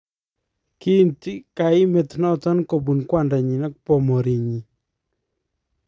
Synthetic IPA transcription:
ki˦˨nti˦ka˨ɪ˦mɛ˨tnɔ˦tɔ˦nko˨bu˨nkwa˦˨nda˨ɲi˨nɔ˦kpɔ˨mɔ˨ɾi˨ɲi˨

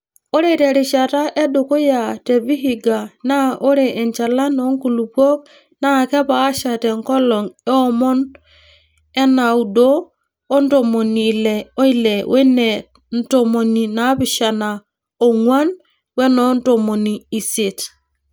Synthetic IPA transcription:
o˦ɾe˦˨tɛ˨ɾi˨ʃa˨ta˦ʔɛ˦do˨ko˦ja˨tɛ˨βi˦ɦi˨ɡa˨na˦ʔo˦ɾeː˨ɲt͡ʃa˨la˦nɔ˦ŋku˨lu˨pɔ˦k̚ | na˦˨kɛ˦pa˨a˦ʃa˨tɛ˨ŋkɔ˦lɔ˨ŋɛ˦ɔ˦mɔ˦n | ɛ˦na˨u˨doː˦ | nto˨mo˨ni˨lɛ˨ɔ˦i˦lɛ˨wʔɛ˦nɛ˨ | n̩˦to˨mo˨ni˨na˦βi˨ʃa˨na˨ | ɔ˨ŋwa˦n | wɛ˦nɔ˨˦n˦to˨mo˨niː˨se˨t

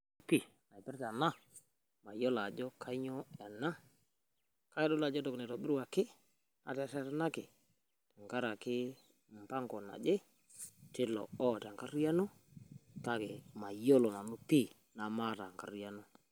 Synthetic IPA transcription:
u˦pi˦˨ | a˨jpɪ˦ɾta˨na˦ | ma˨jɔ˦la˨d͡ʒɔ˦kʰa˦ɲɔ˦ɛ˨na˦ | ka˦ɛ˦dɔ˦la˨d͡ʒɔ˦tɔ˨knɛ˨tɔ˨bɪ˦ɾwa˨kɪ˦ | a̰˨tɛ˨˦sa˦ɾa˦na˦kɪ˨ | tɛ˨ŋka˦ɾa˨kɪ˦ | m̩˨pa˦ŋkɔ˨na̰˨d͡ʒe˦ | tɪ˦lɔ̰˨ɔ˦˨ta˨ŋka˦rja˦no˦ | ka˦˨ke˨ma˨jo˦lɔ˨na˨nu˦pi˦ | na˨ma˦ta˨ŋka˨rja˦no˦

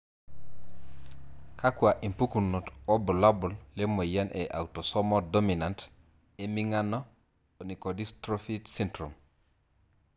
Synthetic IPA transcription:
kʰa˦kwa˨ʔi˨mpu˦kunːu˨to˦bu˨la˦bu˨lle˦mo˨ja˦nʔeʔa̰˨wto˨so˦modo˦mi˨na˨nt | e˨miŋanːo | oni˨ko˨di˦stɾofitsintɾṵ˨m

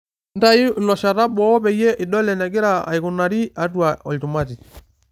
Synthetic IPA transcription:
nda˦i˦˨lɔ˨ʃa˨ɾa˦bɔː˦pɛ˨jɛ˦ʔi˨ɗɔ˦lɛ˨na˨ɡi˦ɾa˨a̰˨i˨ku˨na˨ɾi˦a˨twa˨ɔ˨ltu˨ma˦ti˨

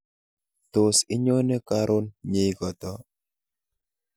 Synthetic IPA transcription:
t̪ʊ˨sɪ˦ɲo˦nɛ˦ka˦ɾʔo˦nɲe˦kɔ˨t̪ɔ˦

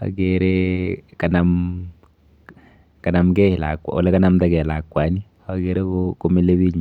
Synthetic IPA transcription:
a̰˨ɡe˨ɾe˦ka˨na˨m | ka˨na˨mkɛ˦hɪ˨la̰˨kwa̰˨o̰˨lɛ˦ka˦na˦mta˨ɡɛ˨la˨kːwa˨ni˦ | a˨ɡe˨ɾe˦koko˦mi˦le˦bi˦ɲ˨

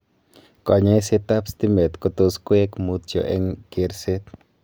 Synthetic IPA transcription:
kɔ˨ɲɛ˦se˦t̪a˦pst̪i˦me˨t̪kɔ˧t̪o˧skwe˦kmut̪̚t͡ʃo̰ʔɛ̰ŋke˨ɾse˦t̪̚

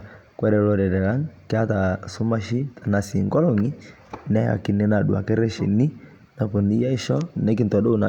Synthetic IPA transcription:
kwɛ˦ɾɛ˨lɔ˨ɾɛ˨ɾɛ˨ɾa˦ŋkɪ˦a˦ta˨sʊ˦ma˦ʃi˦ta˨na˨si˨ŋɡɔ˦lɔ˦ŋi˦ | nɛ˦a̰˨ki˨nɛ˦na˨du˨a̰˨kɛ˦ɾɛ˦ʃḭ˨ni˦ | na˨pɔ˨ni˦ja˦i˦ʃɔ˦nɛ˦k̬ɪ˦ntɔ˨do˦u˦na˨

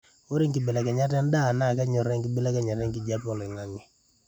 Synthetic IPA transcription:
o˦ɾi˦ŋki˨be˨la˨ka˨ɲa˦tɛ˦n˦da˦˨na˦˨ka˦ɲɔ˨ɾɛ˦ŋki˦be˦la˦ka˨ɲa˨ɾɛ˦ŋki˨d͡ʒa˦pɔ˨lɛ˨ŋa˦ŋɛ˨

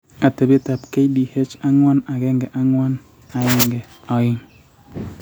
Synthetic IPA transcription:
a˨tɛ˨be˦ta˨pke˦jdi˨he˦t͡ʃa˦ŋwɔ˦na˨kɛ˦ŋɡɛ˨ʔa˦ŋwɔ˦n | a˨ɪ˦ŋɡɛ˨ | ɔ˨ɪ˦ŋ

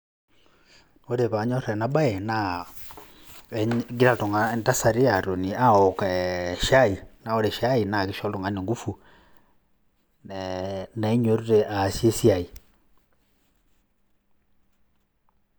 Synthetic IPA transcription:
o˦ɾe˨βa˨ɲo˦ɾɛ˨na˦ba˦e˨na˨ | ɡi˦ɾa˨to˨ŋa˨nta˦sa˨ɾi˦a˨ɾo˨ni˨a˦ɔ˨ka˨ʃa˦i˨na˨o˦ɾe˨ʃa˦i˨na˨ke˦ʃɔ˦lo˨ŋɡa˨ne˨ŋɡu˦fu˨ | na˨˦ɲo˦ɾu˦ɾe˨ʔa˨sje˦sia˨i˨

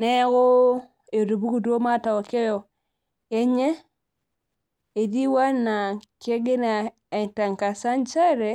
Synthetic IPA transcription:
ne˦ko˦ | e˨ɾu˨bu˦ku˨du˦o˦ma˦˨ta˨o˨ke˦jɔ˨ | e˦ɲe˦ | e˨di˦wa˦na˨ke˦ɡe˦na˨ | ta˨ŋ˨ka˨sa˦nt͡ʃa˦ɾe˨

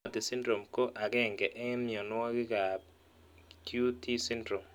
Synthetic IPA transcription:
t̪ɪ˨sɪ˦ndɾo˨mko˦ʔa˨ɡɛ˦˨ŋɡɛ˨ʔe˦mjɔ˨nwɔ˦kɪ˦ka˨ | kju˦tʰi˦si˦ndɾo˨m

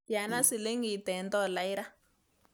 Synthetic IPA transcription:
ja˨na˦si˨le˦ŋɡi˨tɛ˨ndɔ˦˨la˨˦i˦ɾa˦

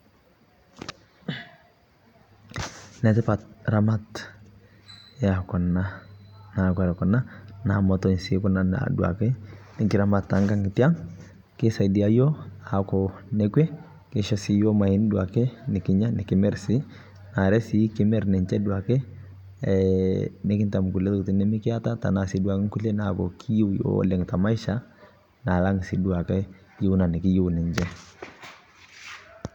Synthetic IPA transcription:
nɛ˨tɪ˦pa˨t̚ɾa˨ma˦t | ja˨kɔ˨na˦na˨kɔ˨ɾɛ˨kɔ˨na˦na˨mɔ˨˦tɔ˨ɲ˨sɪ˦kɔ˦na˦na̰du˨a̰˨kɛ˦nɪ˨kɪ˨ɾa˨ma˨ta˨˦ŋka˦˨ŋɡɪ˨ti˦a˦ŋ | kɪ˦sa˨di˨a˦jɔ˦a˨kɔ˨nɛ˦kwɛ˦ | kɪ˦ʃɔ˦si˦jɔ˦ma˨hɪ˦n˦dwa˨kɛ˦nɪ˨kɪ˦ɲa˦nɪ˨kɪ˦mɛ˦ɾsɪ˦ | na˨ɾɛ˦sɪ˦kɪ˦mɛ˦˨ɾnɛ˨ɲt͡ʃɛ˦du˨a˨kɛ˦˨ | nɪ˦kɪ˦nta˨m˨ku˨lɛ˦tktɪ˦nɛ˦mɪ˦kɪ˦a˦ta˦ta̰˨na˨si˦dua˨kɛ˦ŋku˦lɛ˦na˨kɔ̰˨kʰɪ˦ji˦wjɔ̰˦lɛ˨ŋ˨ta˨ma˦i˦ʃa˦ | na˨la˦ŋ˨si˨˦du˨a˨kɛ˦ | ji˦u˦na˨nɪ˨kɪ˦ju˦wnɛ˨ɲd͡ʒɛ˦

